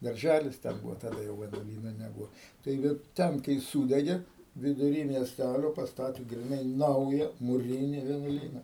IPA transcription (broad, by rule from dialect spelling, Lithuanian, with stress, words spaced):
dɐrʲˈʒʲælʲɪs ˈtʲɛn ˈbuːʋoː tɐˈdɐ jɛʊ ʋʲiɛnuɔˈlʲiːnoː nʲɛˈbuːoː tɐɪˈɡʲɪ ˈtʲɛn kɐɪ ˈsuːdʲɛɡʲeː ʋʲɪdʊˈrʲiː mʲiɛsʲˈtʲælʲoː pɐsˈtɑːtʲeː ɡrʲɪˈnɐɪ ˈnɐʊjɛ mʊˈrʲɪnʲɪ ʋʲiɛnuɔˈlʲiːnɐ